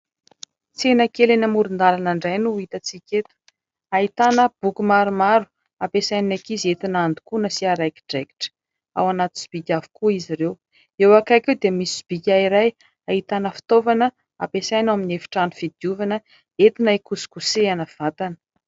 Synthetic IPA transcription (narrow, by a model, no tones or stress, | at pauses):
t͡senəkelenəmuɾund̪alanaɳɖ͡ʐajnuit̪ət͡sikʲet̪u̥ | ait̪anəb̥ukumaɾumaɾu̥ | apesajniakizet̪inand̪u̥kunəsiaɾajki̥ɖ͡ʐeki̥ʈ͡ʂə̥ | a̰wanat̪u̥si̥b̥ikʲavu̥kuiziɾew | ewakakewd̪emisisb̥ikʲaiɾaj | aɦit̪anəfi̥t̪ovanə | a̰pesajnaminefi̥ʈ͡ʂanufid̪iuvanə | et̪inaikusi̥kuseanəv̥at̪anə̥